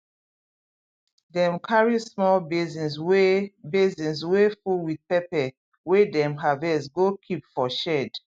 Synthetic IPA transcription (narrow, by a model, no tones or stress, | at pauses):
dɛ̃mkʰaɹismɔlbizĩnsebezĩnswefulwid̚pɛpɛ | wedɛ̃mɦavɛsɡokʰipfɔʃɛd